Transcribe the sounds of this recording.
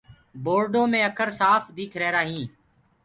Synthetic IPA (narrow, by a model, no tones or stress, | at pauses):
boːɾɖõːmẽːəkʰəɾsaːfd̪iːkʰɾeːɾaːɦĩː